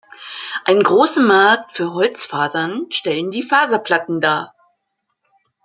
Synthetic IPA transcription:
ʔaɪnɡʁoːsəmaɐktfyːɐɦɔlt͡sfaːzɐnʃtɛləndiːfaːzɐpl̥atn̩daː

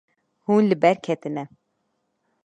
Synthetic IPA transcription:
huːnlɨbɛɾkʰɛt̪ɨnɛ

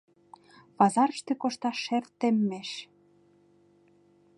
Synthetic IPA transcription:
βɑzɑɾə̆ʃt̪ĕkoʃt̪ɑːert̪ːĕmːeʃ

